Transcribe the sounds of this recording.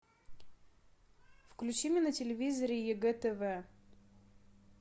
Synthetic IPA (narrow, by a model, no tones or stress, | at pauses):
fklʲʉt͡ɕimʲɪnətʲɪlʲɪvʲizəɾʲɪjɛɡɛt̪ɛvɛ